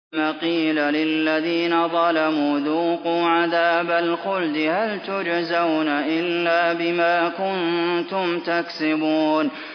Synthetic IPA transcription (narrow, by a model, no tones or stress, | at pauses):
maqiːlalɪlːaðiːnaðˤɑlamuːðuːquːʕaðaːbalxʊld̪ɪhalt̪ʊd͡ʒzawnaʔɪlːaːbɪmaːkʊnt̪ʊmt̪aksɪbuːn